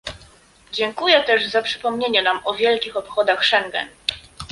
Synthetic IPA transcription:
d͡ʑɛŋkujɛt̪ɛʐzapʂɘ̥pɔmɲeɲɛnamɔvʲjɛlkʲixɔpxɔd̪axʂɛŋɡɛ̰n

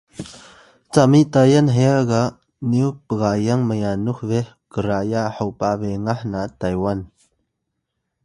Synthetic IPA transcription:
t͡samiʔt̪ajanɦɛaɡaʔ | niuk̚pəɣajaŋməjanuk̚vɛ | kəɾajaʔhawpaʔvɛŋahnat̪ajwan

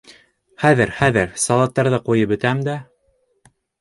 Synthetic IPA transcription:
χæðɘɾχæðɘɾsɑlˠɑt̪ːɑɾðɤqujɤpbɵ̆t̪æmd̪æ

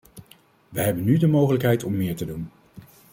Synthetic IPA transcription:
ʋəɦɛbənːydəmowχələkɦɛjtɔmːɪːɹtədun

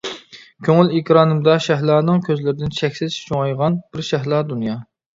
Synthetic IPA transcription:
kʲʰøŋɪlikʲɾɑːnɨmd̪ɑʃæɦlˠɑːnɨŋkʲʰøzlɪɾɪd̪ɪnt͡ʃʰɛkʲsɪt͡ʃt͡ʃʰoŋɑjʁɑnbɪɾʃɛɦlˠɑːd̪unjɑ

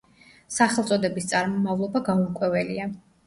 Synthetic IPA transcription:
saχɛlˠt̪sʼɔd̪ɛbist̪sʼaɾmɔmavlˠɔbaɡaukʼwɛvɛlia

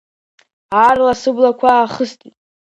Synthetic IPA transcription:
arlasɨblakʷʰaːχəstʰʼitʼ

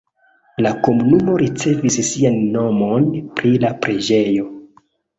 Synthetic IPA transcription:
lako̞munumo̞ɾit͡se̞vissianːo̞mo̞npɾilapɾe̞d͡ʒe̞jo̞

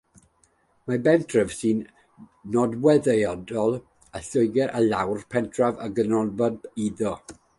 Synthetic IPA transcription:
mabɛntʰrəv̥sɨn | nɔdwɛðəjɔdɔlˠ | aɬʊjɡɛɾʔalawrpʰɛntʰravaɡənɔlˠbɔdiðɔ

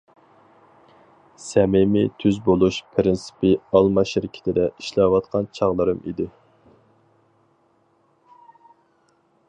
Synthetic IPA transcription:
sɛmɪmɪt̪ʰyzbolˠuʃpʰɾɪnsi̥pɪɑlˠmɑʃɪɾɪkʲʰɪ̥t̪ʰɪd̪ɛiʃlɛwɑt̪qʰɑnt͡ʃʰɑʁlˠɨɾɨmḭd̪ɪ

